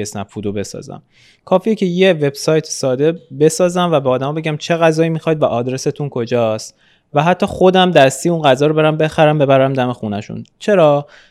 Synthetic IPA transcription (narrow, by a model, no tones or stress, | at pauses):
esnæpfud̪obe̞sɒ̰ːzæ̰m | kʰɒːfiːecʰe̞je̞ve̞b̥sɒːjt̪ʰsɒːd̪e̞be̞sɒːzæmvæbeɒːd̪æmɒːbe̞ɟæmt͡ʃʰe̞ɣæzɒːimixɒːjd̪væʔɒːd̪ɾe̞se̞t̪ʰunkʰo̞d͡ʒɒːst̪ | væɦæt̪ʰːɒːxo̞d̪æmd̪æst̪ijunɢæzɒːɾobe̞ɾæmbe̞xæɾæmbe̞bæɾæmd̪æme̞xunæʃṵnt͡ʃʰe̞ɾɒː